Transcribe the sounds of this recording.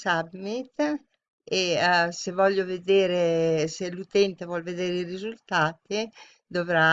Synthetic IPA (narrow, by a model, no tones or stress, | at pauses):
sabit̪ | esevɔʎːoved̪eːɾeselut̪ɛnt̪evwɔlved̪eːɾeirizult̪aːt̪i | d̪ovɾa